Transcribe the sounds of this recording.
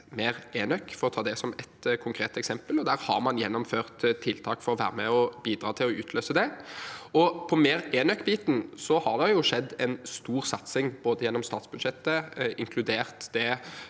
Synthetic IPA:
meːʁeːnœkːfɔɾɔt̪ʰɑːd̪ɛsɔmɛt̪kʰʊŋkʰɾeːt̪ɛksɛmpəlɔd̪æːɾhɑ̰ɾmɑnjɛnːʊmføːʁt̪t̪ʰːɪlt̪ʰɑːkfɔɾɔʋæ̰ːɾəmɛɔbiːd̪ɾɑːt̪ʰɪlɔʉːt̪ʰløːsəd̪ɛ | ɔpʰɔmeːɾeːnœkːbiːt̪n̩sɔhɑʁd̪ɛjʊʂɛd̪ːɛnst̪uːɾsɑt̪sɪŋboːd̪əjɛnːɔmst̪ɑːt̪sbʉd̪ʃɛt̪ːəɪŋkʰlʉd̪eːʁt̪d̪̥ɛ

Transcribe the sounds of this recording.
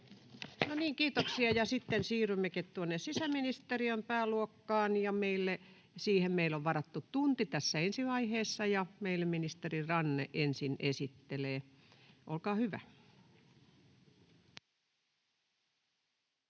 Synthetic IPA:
noniːŋkiːt̪oksiɑjɑsit̪ːensiːrymːeket̪t̪uonːessisæminist̪eriømpæːluokːɑːnjɑmeilːe | siːhemmeiloʋʋɑrɑt̪ːutt̪unt̪it̪æsːæensiʋɑiheːsːɑjɑmeilːeminist̪erirɑnːḛʔensinesit̪ːeleː | ʔo̰lkɑːhyʋæ̰

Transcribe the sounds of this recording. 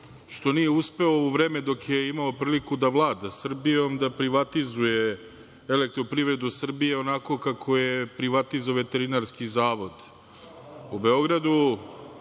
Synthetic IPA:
ʃt̪o̞nije̞uspe̞ouʋɾeːme̞d̪o̞kjeimaopɾiːlikud̪aʋlˠaːd̪asr̩bijo̞md̪apɾiʋat̪izuje̞ | ele̞k̚t̪ɾo̞pɾiʋɾe̞d̪usr̩bije̞o̞nako̞kakʰo̞jepɾiʋat̪izoʋe̞t̪e̞ɾinaɾskizaːʋo̞d̪ | ube̞o̞ɡɾad̪u

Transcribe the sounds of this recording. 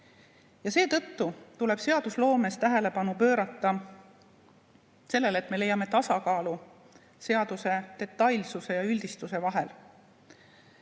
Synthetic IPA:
jɑse̞ːt̪ɤt̪ːut̪ule̞b̥se̞ɑd̪̥uslo̞ːme̞st̪æɦele̞pɑnupø̞ːɾɑt̪ːˑɑ | se̞lːe̞let̪me̞le̞jːɑme̞t̪ɑsɑkɑːlu | se̞ɑd̪̥use̞t̪e̞t̪ːˑɑjlsuse̞jɑylʲd̪̥ist̪use̞vɑɦe̞l

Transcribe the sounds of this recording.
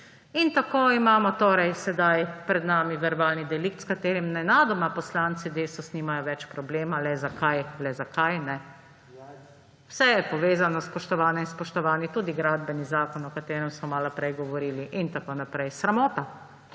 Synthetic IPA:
int̪akoːimaːmɔt̪oːɾɛjsɛd̪ajpɾɛd̪naːmiʋɛɾbaːlnid̪ɛlikt̪skat̪eːɾimnɛnad̪ɔmapɔslaːnt̪sid̪eːst̪ɔsnimajɔʋɛt͡ʃpɾɔbleːmalɛzakʰajlɛzakajnɛ | wsɛjɛpɔʋeːzanɔspɔʃt̪ɔʋaːnɛinspɔʃt̪ɔʋaːnit̪uːd̪iɡɾad̪bɛnizaːkɔnɔkat̪eːɾɛmsmɔmaːlɔpɾɛjɡɔʋɔɾiːliʔint̪akonapɾɛjsɾamoːt̪a

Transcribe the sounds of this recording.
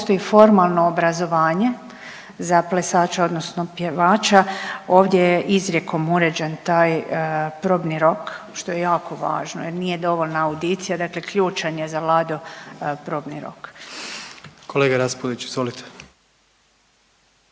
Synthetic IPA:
post̪o̞jifo̞ɾmalˠnoːbɾazo̞ʋaːɲe̞ | zaplesaːt͡ʃao̞d̪no̞sno̞pjeʋaːt͡ʃao̞ːʋd̪jejeʔizɾʲje̞ko̞muɾe̞d͡ʑent̪aːjpɾoːbniɾo̞k | ʃt̪o̞je̞jaːkʰo̞ʋa̰ːʒnojeɾnije̞d̪o̞ʋolnaːwd̪it̪sijad̪akle̞kʎuːt͡ʃaɲezalˠad̪opɾo̞ːbniɾo̰k | kʰoleːɡaɾaspod̪it͡ʃt͡ɕizʋolit̪ʰe̥

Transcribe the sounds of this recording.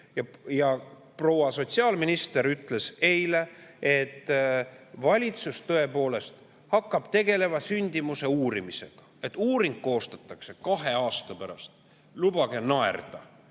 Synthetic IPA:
jɑjɑ | pro̞wɑso̞t̪siɑːlminist̪eɾyt̪ːˑle̞se̞jle̞et̪ː | vɑlʲit̪sust̪ɤ̞e̞po̞ːle̞st̪ | hɑkˑːɑb̥t̪e̞ɡ̥e̞le̞vɑsynʲd̪̥imuse̞uːɾimise̞̰ɡ̥ɑ̥e̞t̪ːˑuːɾiŋɡ̥̚ko̞ːst̪ɑt̪ːˑɑkse̞kɑɦeɑːst̪ɑpæɾɑst̪ | lubɑɡ̥e̞nɑḛrd̪̥ɑ

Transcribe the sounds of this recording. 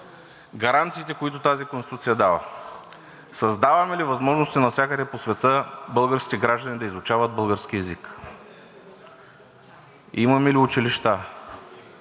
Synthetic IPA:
ɡɐɾant̪siːt̪ɛkoit̪ʊt̪azikonsit̪ut̪sijɐd̪avɐ̰ | sɐzd̪avɐmɛlivɐzmɔʒnost̪ɛnɐsʲjakəd̪ɛposvɛt̪əbɤlˠɡəɾskʲi̥t̪ɛɡɾaʒd̪ɐnid̪ɐizlˠʊt͡ʃavɐd̪̚bɤlˠɡəɾsk̟iɛzik | imɐmɛliʊt͡ʃiliʃt̪a

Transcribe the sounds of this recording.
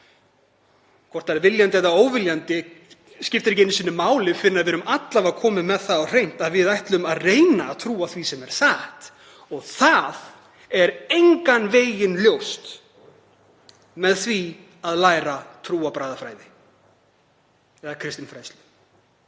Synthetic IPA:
kʰvɔɾt̪aɾɛɾvɪljant̪ɪɛt̪ːaoːwvɪljant̪ɪ | scɪft̪ɪɾcejnɪsɪnʏmaːwlɪfɪɾɪnaðvɛːɾʏmʔat̪lavakʰɔːmɪmɛðθaðɔr̥ejn̥t̪aðvɪðajht̪lʏmaðreːjnaːt̪ʰɾuːaθvisɛmɛɾ̥saht̪ | ɔɣθað | ɛɾejŋkanveːjjɪnljowst̪ | mɛðθvi | aðlaːjɾat̪ʰɾuːapɾaːjðafɾaːjðɪ | ɛðakʰɾɪst̪ɪnfɾajstlʏ

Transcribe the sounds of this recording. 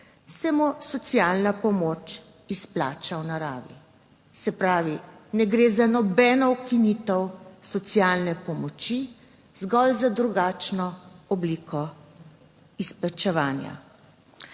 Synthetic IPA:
sɛmɔsɔt̪sjaːlnapɔmoːt͡ʃ | ispla̰ːt͡ʃawnaɾaːʋḭ | sɛpɾaːʋinɛɡɾeːzanɔbɛːnɔwkinit̪əwsɔt̪sjaːlnɛpɔmɔt͡ʃi | zɡɔlzad̪ɾuɡaːt͡ʃnɔɔbliːkɔ | isplat͡ʃɛʋaːnja̰

